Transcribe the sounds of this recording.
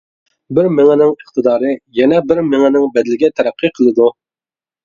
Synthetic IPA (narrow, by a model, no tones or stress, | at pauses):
bɪɾmɪŋɛnɪŋəχt̪ɨd̪ɑːɾɨjɛnɛbɪɾmɪŋɪnɪŋbɛd̪ɪlɪɡʲɛt̪ʰɛɾæqʰːɨqʰəlˠɨd̪u